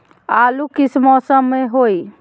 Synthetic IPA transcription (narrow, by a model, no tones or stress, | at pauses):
alukisʰmɔsəmːeɦoj